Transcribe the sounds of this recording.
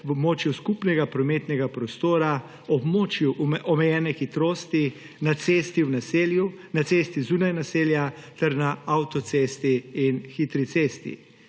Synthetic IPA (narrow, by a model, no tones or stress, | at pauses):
wɔbmoːt͡ʃjuskupnɛɡapɾɔmeːt̪nɛɡapɾɔst̪oːɾa | ɔbmoːt͡ʃjuʔɔmɛjɛːnɛxit̪ɾoːst̪i | nat̪seːst̪iwnaseːljunat̪seːst̪izuːnajnaseːljat̪ɛɾnaawt̪ɔt̪seːst̪iːnxit̪ɾit̪seːst̪ḭ